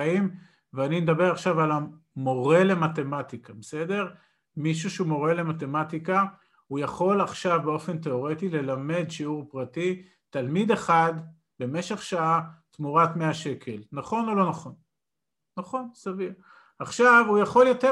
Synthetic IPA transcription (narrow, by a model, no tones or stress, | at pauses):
im | veanined̪abe̞ʁaχʃavala | mo̞ʁe̞le̞mate̞mat̪ikabese̞de̞ʁ | miʃuʃeumo̞ʁe̞le̞mat̪e̞matika | hujaχo̞laχʃavbeo̞fe̞nt̪̬e̞o̞ʁet̪ile̞lame̞d̪ʃiuʁpʁati | t̪almid̪e̞χad̪ | be̞me̞ʃe̞χʃaat̪muʁat̪meaʃe̞kʰe̞lnaχo̞no̞lo̞naχo̞nː | aχo̞nsavi | aχʃavujaχo̞ljote